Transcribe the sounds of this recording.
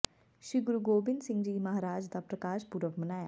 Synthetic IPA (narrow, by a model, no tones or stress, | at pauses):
ʃɾiːɡʊɾuɡoːbɪnd̪sɪ̃ŋɡd͡ʒiːmɐɦaːɾaːd͡ʒd̪aːpɾəkaːʃpuɾəʋmənaːja̰ː